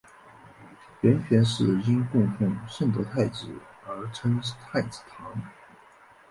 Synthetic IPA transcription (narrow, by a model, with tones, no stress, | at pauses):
ɥɛ˧˥nɕɥɛ˧˥nʂɻ̩˥˩i˥nkʊ˥˧ŋfu˥˩ŋʂə˥˩nt̪ɤ˧˥t̪ʰa˥˩ɪʈ͡ʂɻ̩˨˩ | ə˞˧˥ʈ͡ʂʰɤ˥ŋt̪ʰa˥˩ɪt͡sɹ̩˨˩t̪ʰɑ˧˥ŋ